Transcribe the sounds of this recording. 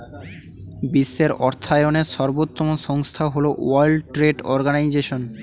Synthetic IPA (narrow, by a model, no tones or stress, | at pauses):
bisːeɾɔɾt̪ʰaeoneɾʃɔɾbot̪ːomonʃɔŋst̪ʰaɦoloajlʈɾeɖɔɾɡanajd͡ʑeʃon